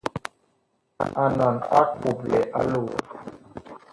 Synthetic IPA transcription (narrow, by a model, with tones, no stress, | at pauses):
a˨nɔ˨na˦ku˨blɛ̰˨ʔa˦lo˦˨